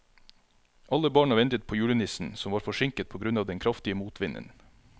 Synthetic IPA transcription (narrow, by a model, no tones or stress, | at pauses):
ʔɑləbɑːɳɑʋɛnt̪ət̪̚pʰoːjʉːɽənɪsn̩sɔmʋɑːɾfɔʃɪŋkət̪̚pʰoːɡɾʉnɑːʋd̪ɛnkʰɾɑft̪ɪəmuːt̪ʰʋɪnʔə̰n